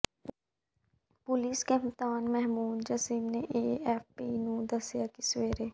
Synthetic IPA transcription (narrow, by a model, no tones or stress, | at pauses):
pʊliːskeɪmt̪aːnmɛɦmuːd̪d͡ʒɐsiːmneʔeːɛːfpinũːd̪ɐsjakisweːɾeː